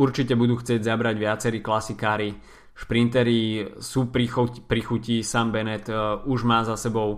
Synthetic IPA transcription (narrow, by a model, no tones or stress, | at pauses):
uɾt͡ʃicɛbud̪uːxt͡sɪɛɟzabɾaɟʋɪat͡sɛɾiːklasikaːɾi | ʃpɾint̪ɛɾisuːpɾipɾixucisaːmbɛnɛt̪uʒmaːzasɛbɔʊ